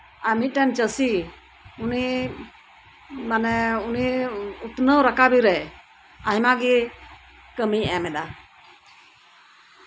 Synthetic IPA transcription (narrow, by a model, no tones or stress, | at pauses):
amit̪̚ˀʈɛnt͡ʃəsi | uni | manɛuniut̪nəwɾakabiɾɛ | aɦimaɡi | kəmiɛmɛd̪a